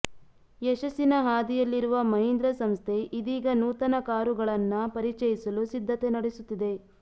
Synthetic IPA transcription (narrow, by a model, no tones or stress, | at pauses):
jɛʃɐsːinɐɦaːd̪ijɐlːiɾuʋɐmɐɦind̪ɾɐsɐmst̪ʰe̞ʔid̪iːɡɐnuːt̪ɐnɐkaːɾuɡɐɭɐnːɐpɐɾit͡ʃɐjisɐlusid̪ʱːɐt̪e̞nɐɽesut̪ːid̪e̞